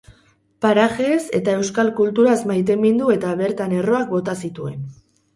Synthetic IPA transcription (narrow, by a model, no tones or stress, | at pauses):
paɾaʝese̞̰t̪aewskalkult̪uɾazmajt̪̬e̞mind̪ue̞t̪aβe̞ɾt̪ane̞ro̞ak̚bo̞t̪asit̪ue̞n